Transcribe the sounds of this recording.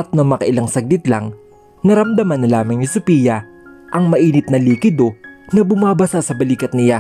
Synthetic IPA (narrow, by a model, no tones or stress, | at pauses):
ɐt̪̚nɐmɐkɐʔɪlaŋsɐɡ̚lɪt̪la̰ŋ | nɐɾɐmd̪ɐmɐnːɐlaːmɐŋnɪsʊpiːjɐ | ʔɐŋmɐʔiːnɪt̪̚nɐliːkɪd̪o̞nɐbʊmaːbɐsasɐbɐliːkɐt̪nɪja